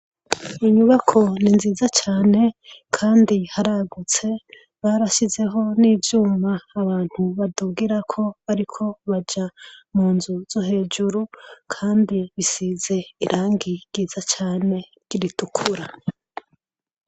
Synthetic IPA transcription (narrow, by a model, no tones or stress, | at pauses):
iɲuβakʰo̞ninziːzat͡ʃaːne̞kʰaːndihaɾaɡut͡se̞ | βaɾaʃize̞ɦo̞niːvjuːmaːβaːn̥huβaduɡiɾakʰo̞βaɾikʰo̞βad͡ʒamuːnzuz̥oɦe̞ːd͡ʒuɾukʰaːndiβisize̞iɾʔaːŋɡiɡ̥izat͡ʃaːne̞ | ɡ̥iɾitukʰuɾa